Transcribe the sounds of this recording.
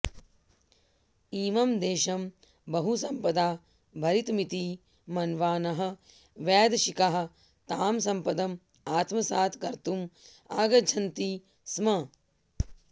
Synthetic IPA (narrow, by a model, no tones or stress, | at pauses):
iːmɐmd̪eːʃɐm | bɐɦusɐmpɐd̪aː | bʱɐɾit̪mit̪i | mɐnʋaːnɐɦɐ̆ | ʋjɛːd̪ʃikɐɦɐ̆ | t̪aːmsɐmpɐd̪ɐm | aːt̪mɐsaːt̪ʰɡɐɾt̪um | aːɡɐd͡ʒʱɐnt̪i | smɐ